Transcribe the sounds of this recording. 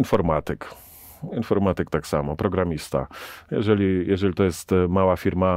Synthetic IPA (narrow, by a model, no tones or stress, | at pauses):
infɔɾmat̪ɘk | infɔɾmat̪ɘkt̪aksamɔpɾɔɡɾamʲist̪a̰jɛ̰ʐɛlʲijɛʐɛlʲit̪ɔjɛst̪mawafʲiɾma